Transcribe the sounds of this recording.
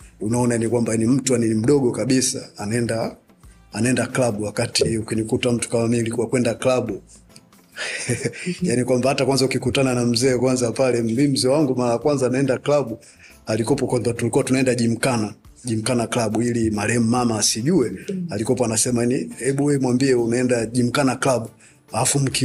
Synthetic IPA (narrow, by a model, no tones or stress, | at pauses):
unaɔnajanikwambanim̩tujaninim̩ɗɔɡɔkaɓisa̰anaɛndaː | naɛndaklaɓuwakatiukinikutam̩tu̥kamamilikuwakwɛndaklaɓu | janikwambahatakwanzaukikutananam̩zɛːkwanzapalɛmbim̩zɛːwaŋɡumaɾajakwanzaːnaɛndaklaɓu | alikɔpɔkwambatulikuwatunaɛndaʄim̩kana | ʄim̩kanaklaɓuilimalɛɛmumamaːsiʄuɛalikɔpɔanasɛmaanihɛɓuwɛmwambiɛunaɛndaʄim̩kanaklaɓu | alafum̩ki